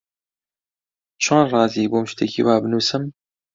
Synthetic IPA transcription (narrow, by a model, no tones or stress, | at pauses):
t͡ʃʰaːnrɑːziːboːmʃt̪ʰekḭːwaːbɨnuːsɨm